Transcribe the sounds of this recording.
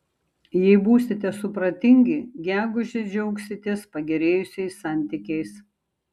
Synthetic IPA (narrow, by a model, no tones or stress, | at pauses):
jɛɪbuːsʲɪt̪ʲɛsʊpɾɐt̪ʲɪŋʲɡʲɪɡʲæːɡʊʒʲɛd͡ʒʲɛʊksʲɪt̪ʲɛspɐɡʲɛɾʲeːjʊsʲɛɪsːɑˑnʲt̪ʲɪkʲɛɪs